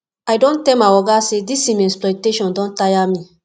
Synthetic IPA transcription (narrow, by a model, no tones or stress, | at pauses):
ajdõntɛlmaɔɡasedisĩmɛ̃splɔteʃɔ̃ndɔ̃ntajamĩ